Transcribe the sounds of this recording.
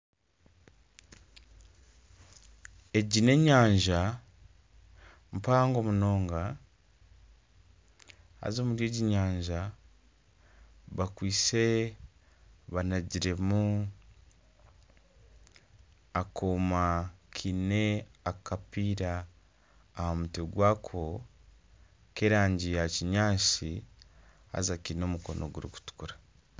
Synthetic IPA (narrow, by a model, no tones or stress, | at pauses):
e̞ɟine̞ɲaːɲʒa | m̩paːŋɡo̞muno̞ːŋɡa | a̰zomuɾje̞ɟiɲaːɲʒa | βakwiːse | βanaɟiɾe̞mu | akomakʰineakapiːɾaː | hamuteɡwaːkʰo | keːɾaːɲɟijaciɲaːsi | ha̰zakino̞ːmuko̞nʔo̞̰ɡuɾiku̥tu̥kuɾa